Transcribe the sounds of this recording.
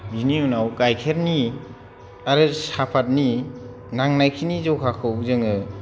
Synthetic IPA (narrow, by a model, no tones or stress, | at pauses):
biniunawkajkʰeɾni | aɾɯsapʰat̚ni | naŋnajkʰinizɔkʰakʰɯwzɯŋɯ